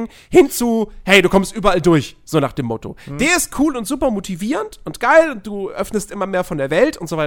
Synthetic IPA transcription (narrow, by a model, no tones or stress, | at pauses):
ŋ | hɪnt͡suhɛɪduːkʰɔmstʔyːbɐʔaldʊɐçz̥oːnaːχd̥eːmːɔto̰d̥eːɐɪst̚kʰuːlʊntz̥uːpɐmotʰiviːʁəntʊntɡ̥aɪlʊnt̚d̥uːʔœfnəstʔɪmɐmeːɐfɔndeːɐvɛltʊntz̥ovaɪ